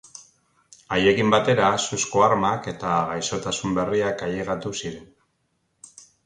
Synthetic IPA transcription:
aje̞kimbat̪e̞ɾasusko̞aɾmake̞t̪aɣajso̞t̪asumbe̞riakajeɣat̪usiɾe̞n

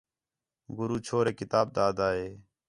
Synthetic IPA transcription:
ɡʊɾuːt͡ʃʰoːɾeːkɪt̪aːb̚d̪aːd̪aːɦeː

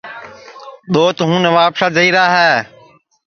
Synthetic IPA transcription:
ɗ̪oːt̪ʊɦũːnəʋaːpsaːd͡ʒəiːɾaːɦɛː

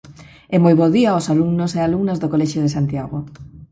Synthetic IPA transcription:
ɛmojβoðiaosaluŋnosealuŋnozðokolɛʃoðesant̪jaɣ̞o

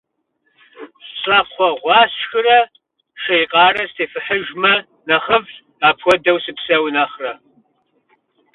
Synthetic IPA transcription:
ɕʼɐqʷɔʁʷɑːsxɨrɐ | ʃejqʼɑːrɐstʰeːfɨħəʒmɐ | nɐχəv | aːpʰxʷɔdɐwsɨpsɐwnɐχrɐ

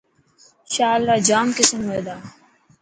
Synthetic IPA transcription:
ʃaːlːaːd͡ʒaːmkɪsəmɦeːd̪aː

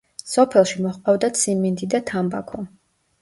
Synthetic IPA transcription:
sɔpʰɛlˠʃimɔχqʼavd̪at̪sʰimind̪id̪at̪ʰamba̰kʰɔ

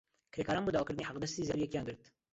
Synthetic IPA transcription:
kʰɾeːkʰɑːɾɑːnboːd̪ɑwɑːkɨɾd̪niːħaqd̪ɛst̪iːzɛɾijɛkijɑːŋɡɨɾt̪

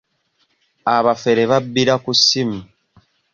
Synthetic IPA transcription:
aβafe̞ɾeβabːiɾakusimu

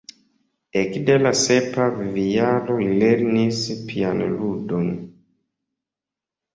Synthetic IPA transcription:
ekdelase̞pavvialo̞ileɾnispʰianludon

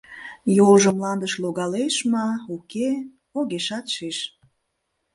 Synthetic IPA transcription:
jolʒəmlɑnd̪əʃloɣɑleʃmɑuke | oɣeʃɑt̪ʃeʃ

